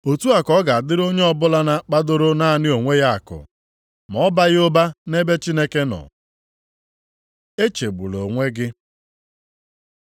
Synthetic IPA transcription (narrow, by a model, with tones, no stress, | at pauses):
o˨tu˦a˨kɔ˦ɡa˨a˨dɪ˦ɾo˦ɲe˦ɔ˦˨bʊ˦la˦na˦k͡pa˦do˦ɾo˦na˦a˨nɪ˦o˨ŋʷe˦ja˦a˨kʊ̰˨ | mɔ˨˦ba˦ɣɪ˦ʊ˦ba˦ne˦be˦t͡ʃi˦ne˦ke˦nɔ̰˨ | e˦t͡ʃe˨ɡ͡bṵ˨lo˨ŋʷe˦ɡɪ˦